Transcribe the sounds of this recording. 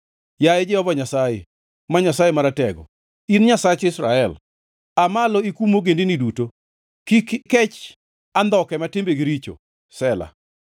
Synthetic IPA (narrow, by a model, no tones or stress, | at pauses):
jajed͡ʒɛɔbaɲasajḛ | maɲasajemaɾatɛɡɔ̰ | inɲasat͡ʃɪsɾaɛl | amalɔikumoɡendiniduto | kikkɛt͡ʃ | and̪ɔkɛmatɪmbeɡiɾit͡ʃo̰ | sɛla̰